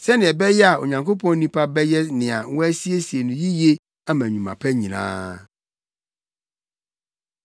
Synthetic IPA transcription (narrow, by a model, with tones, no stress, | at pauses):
sɛ˦nɪ̃˨ɛ˨bɛ˦jɛ˦a˨o̰˨ɲã˨ŋko˦pʰɔ̃˦n˦nĩ˦pʰa˦bɛ˦jɛ˦nɪ̃˨a˨˦wɔ˦æ˦si˦e˦si˨e˨nũ˨ji˦je˦ | a˦mæ̃˨ɲũ˨mã̰˨pʰɛ˦ɲĩ˨nã̰ː˦